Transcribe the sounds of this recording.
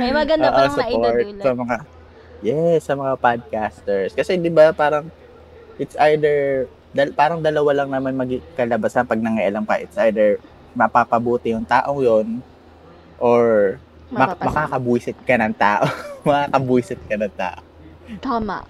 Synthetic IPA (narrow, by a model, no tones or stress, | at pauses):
mɐɡɐnoːʔosʊpoɹtt̪̚sɐmɐŋa | jɛsːɐmɐŋapad̪̚kast̪ɛɹskɐsɛd̪ɪbapaːɾɐŋ | ʔɪt̪sʔajd̪ɛɹ | d̪ɐlpaːɾɐŋd̪ɐlɐwalɐŋnɐmanmɐɡikɐlɐbasɐŋpɐɡ̚nɐŋɐʔɪlaŋpɐ̰ʔɪt̪sʔajd̪ɛɹ | mɐpapɐbuːt̪ɪjʊŋt̪aːʔoŋjon | ʔoɹ | mɐmɐkaːkɐbuːsɪt̪̚kɐnɐŋt̪a̰ːʔomɐkaːkɐbuːsɪt̪̚kɐnɐŋt̪a̰ːʔo | t̪ama̰ʔ